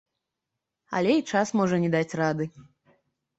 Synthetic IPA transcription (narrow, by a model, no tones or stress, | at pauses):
ɐ̰lʲɛit͡ʂasmɔʐɐnʲɛd̪at͡sʲrad̪ɨ